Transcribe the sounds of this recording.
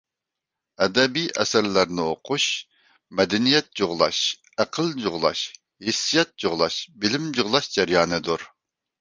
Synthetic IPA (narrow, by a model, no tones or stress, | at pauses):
ɛd̪ɛbijʔɛ̰sæɾlæɾnɪoqʰuʃ | mɛd̪ɛnijɛt̪̚d͡ʒoʁlˠɑ̰ʃ | æqʰəlˠd͡ʒoʁlˠɑ̰ʃ | hɪsːijɛt̪̚d͡ʒoʁlˠɑʃbɪlɪmd͡ʒoʁlˠɑʃd͡ʒɛɾjɑːnɨd̪uɾ